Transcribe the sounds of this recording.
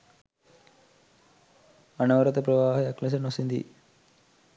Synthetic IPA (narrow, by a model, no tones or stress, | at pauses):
ɐnɐʋɐɾɐt̪ɐpɾɐʋaːɦɐɐklɐs̬ɐnosind̪ḭ